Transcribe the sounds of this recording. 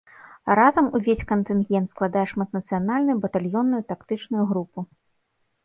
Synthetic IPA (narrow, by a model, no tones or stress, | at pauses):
ɾazɐmuvʲesʲkɐnt̪ɨnɣʲɛnt̪sklˠad̪ajɛʂmɐt̪nɐt̪sɨjanalʲnujubɐt̪alʲjɔnːujut̪akt̪ɨt͡ʂnujuɣɾupu